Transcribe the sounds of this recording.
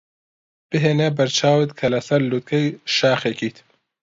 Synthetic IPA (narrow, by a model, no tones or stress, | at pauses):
b̥ɨɦeːnabɐɾt͡ʃʰaːwet̪kʰɐlɐsɐɾlut̪̚kʰɐjʃaːxekit̪ʰ